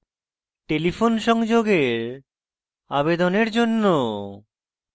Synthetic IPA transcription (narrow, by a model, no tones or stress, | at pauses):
ʈelifonʃɔŋd͡ʑoɡeɾ | abed̪oneɾd͡ʑonːo